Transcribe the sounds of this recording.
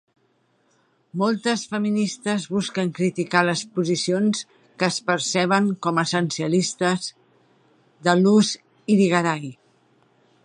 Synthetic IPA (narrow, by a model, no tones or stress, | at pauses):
mɔlˠt̪əsfəminist̪əzβuskəŋkɾit̪ikaləspuzisions | kəːspəɾsɛβ̞əŋkɔməsənsiəlist̪əz | d̪əluz | iðiɣəɾaj